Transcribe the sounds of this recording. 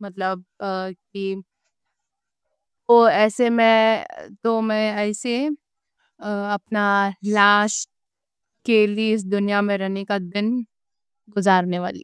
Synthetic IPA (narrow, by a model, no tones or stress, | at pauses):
mɐt̪ləb̚k̚i | oɛːsemẽt̪omɛ̃ɛːse | ɐpnalãːʃ | keːliɪs̬d̪ʊnijamẽɾɛɦnekad̪ɪn | ɡʊzaːɾneʋa̰ːlḭ